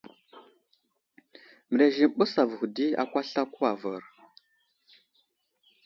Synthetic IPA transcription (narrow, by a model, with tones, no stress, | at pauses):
mə˨ɾe˨ʒi˨m˨ɓə˦sa˨və˨xdi˦a̰˨kʷa˦ɬa˦ku˦a˨və˨ɾ